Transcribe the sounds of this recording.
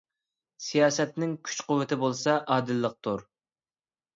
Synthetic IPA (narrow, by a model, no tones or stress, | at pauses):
sijɑːsɛt̪nɪŋkʲʰy̥t͡ʃqʊwːɪt̪ʰɪbolˠsɑʔɑːd̪ɨlːəq̚t̪ʰuɾ